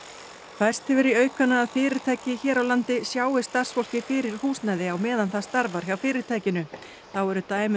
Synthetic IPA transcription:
fajr̥st̪hɛvɪɾiœːɥkanːaːðfɪːɾɪɾ̥t̪ʰaːjcɪçɛːɾawlant̪ɪsjaːwɪ̥st̪ar̥sfɔl̥cɪfɪːɾɪɾ̥huːsnaːjðɪawmɛːðanθast̪aɾvaɾ̥çawfɪːɾɪɾ̥t̪ʰaːjcɪnʏ | θawɛɾʏt̪aːjm

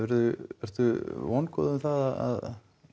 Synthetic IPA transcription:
ɛɾðʏɛɾ̥t̪ʏvɔnkɔ̰ðʏmθaðaða̰ð

